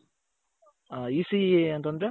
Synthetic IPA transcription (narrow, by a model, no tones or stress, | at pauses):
iːsiɐnt̪ɐnd̪ɾe